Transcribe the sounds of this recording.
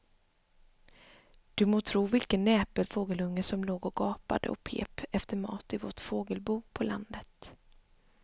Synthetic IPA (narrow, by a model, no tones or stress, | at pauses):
d̪̥ɵmoːt̪ʰɾuːvɪlkənːɛːpəlfoːɡəlɵŋːəsɔmloːɡɔɡɑːpa̰d̪ə̰ɔ̰pʰḛːpɛft̪əɾmɑ̰ːt̪ɪvɔ̰ʈfoːɡəlbuːpʰɔla̰nd̪ət̪